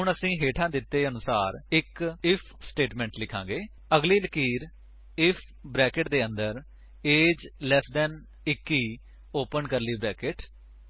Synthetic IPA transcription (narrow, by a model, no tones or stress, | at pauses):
ɦʊɳəsĩːɦeːʈʰãːd̪ɪt̪ːeːənʊsaːɾɪkɪpʰsʈeːʈmɛ̃ːɳʈlɪkʰːãːŋɡeː | əɡliːləkiːɾ | ɪpʰ | bɾɛːkɪʈd̪eːənd̪əɾ | eːd͡ʒlɛːsd̪ɛn | ɪkːiː | oːpənkəɾliːbɾɛːkɪʈ